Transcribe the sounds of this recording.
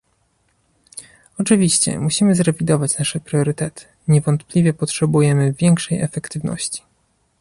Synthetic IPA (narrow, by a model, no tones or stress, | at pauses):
ɔt͡ʂɘvʲiɕt͡ɕɛ̰muɕimɘzɾɛvʲid̪ɔvat͡ɕnaʂɛpɾʲjɔɾɘt̪ɛt̪ʰɘ̥ | ɲɛvɔnt̪plʲivʲjɛpɔtʂɛbujɛmɘvʲjɛŋkʂɛjɛfɛkt̪ɘvnɔ̰ɕt͡ɕi̥